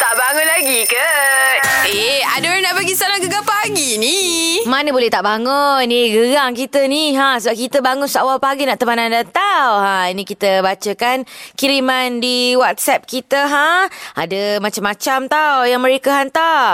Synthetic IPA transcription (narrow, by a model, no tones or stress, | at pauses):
t̪aʔbaŋʊnlaɡikə | eadənaʔbaɡisanaɡəɡapaɡinimanəbolɛht̪aʔbaŋɔnːiɡəɡaŋkit̪əniɦasəbap̚kit̪əbaŋʊnsawalpaɡinaʔt̪əmanandat̪awɦãinĩkit̪əbat͡ʃəkankiɾimandiwat̪̚sɛp̚kit̪əɦaa̰dəmat͡ʃamːat͡ʃamt̪awjaŋməɾekəhant̪a